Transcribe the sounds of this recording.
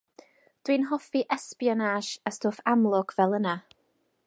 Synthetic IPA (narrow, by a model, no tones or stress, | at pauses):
d̥winɦɔfiʔɛspjɔnaʃastʰoːfamlˠɔɡ̥vɛlˠəna